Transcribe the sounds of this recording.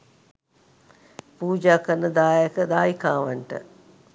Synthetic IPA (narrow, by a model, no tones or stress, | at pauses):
puːd͡ʒaːkəɾnəd̪aːəkəd̪aːjikaːʋaɳʈə̰